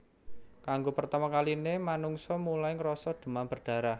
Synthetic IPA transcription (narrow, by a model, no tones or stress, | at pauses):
kaŋɡopərt̪amakalinemanuŋsɔmulajŋɾɔsɔd̪̥ṳmamb̥ərɖ̥ä̤ɾah